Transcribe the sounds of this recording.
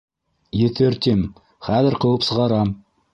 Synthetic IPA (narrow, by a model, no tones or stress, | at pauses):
jet̪eɾt̪em | χæzɪɾqʰowəpsəʁɑɾɑm